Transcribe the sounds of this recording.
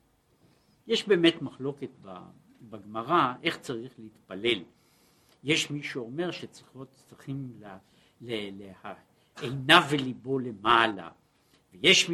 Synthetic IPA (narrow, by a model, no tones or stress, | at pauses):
jeʃbe̞ːme̞t̪maχlo̞ket̪̚ba̰ | baɡmaʁae̞χt͡saʁiχleit̪pale̞l | jeʃmiʃuome̞ʁʃet͡sʁiχot͡siχiml | lelea | ejnavelibo̞le̞mala̰ | vejeʃ